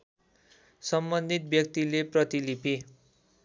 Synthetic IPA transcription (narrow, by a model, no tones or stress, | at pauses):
sʌmbʌnd̪ʱit̪̚bjʌk̚t̪ileprʌt̪ilipi